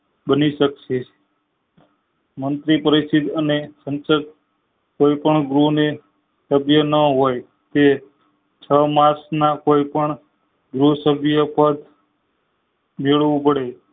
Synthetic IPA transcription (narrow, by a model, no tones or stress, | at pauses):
bəniʃəkʃe | mənt̪ɾipəɾisid̪ənesənsət̪̚ | koipəɳɡɾune | səbʱjənəɦoj | t̪e | t͡ʃʰəmasnakoipəɳ | ɡɾusəbjəpəd̪ | meɭʋũpəɽe